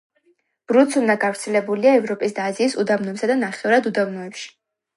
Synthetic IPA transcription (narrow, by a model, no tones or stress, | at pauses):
b̥ɾut̪sund̪aɡavɾt̪sʰɛlɛbuliaɛvɾɔpʼis̬d̪aːziːsud̪avnɔɛpsad̪anaχɛvɾad̪ud̪avnɔɛpʃi̥